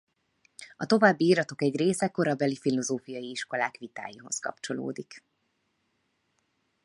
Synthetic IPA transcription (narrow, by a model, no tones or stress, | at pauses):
ɒt̪o̞vaːbːiiːɾɒt̪o̞kɛɟreːsɛko̞ɾɒbɛlifilo̞zoːfijɒjiiʃko̞laːkʋit̪a̰ːjiɦo̞̰skɒ̰pt͡ʃo̞lo̰ːd̪ik